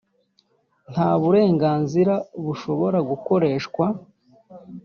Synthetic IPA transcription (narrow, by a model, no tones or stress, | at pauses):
n̥haːβuɾe̞ːŋɡaːnziɾaβuʃo̞βo̞ɾaɡuko̞ɾe̞ːʃkwa